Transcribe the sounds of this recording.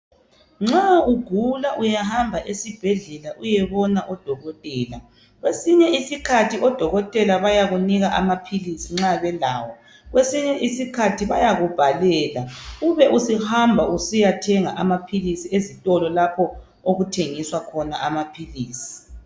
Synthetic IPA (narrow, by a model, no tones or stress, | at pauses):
ŋ͡ǁauɡ̥ʱulaʔujahambʱaʔesib̥ʱɛɮɛlaʔujɛβɔnaʔɔd̥ʱɔɣɔtʼɛːla | ɣwesiɲɛisikʰatʰiʔɔd̥ʱɔɣɔtʼɛlaβajaɣuniɣaʔamapʰilisiŋ͡ǁaβɛlaːwɔ | ɣwesiɲɛʔisikʰatʰiβajaɣub̥ʱalɛːlauβɛʔusihambʱaʔusijatʰɛŋa̰ʔamapʰilisiezitʼɔlɔlapʰɔ | oɣutʰeŋiswakʰɔna̰ʔamapʰiliːsi̥